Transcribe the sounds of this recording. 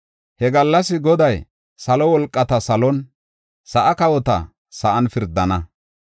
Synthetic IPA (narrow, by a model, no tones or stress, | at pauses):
hɛɡɐlːɐsɪɡɔd̪ɐj | sɐlɔwɔlkʼːɐt̪ɐsɐlɔn | sɐʔɐkɐwɔt̪ɐ̰ | sɐʔɐnfɪɾd̪ːɐnɐ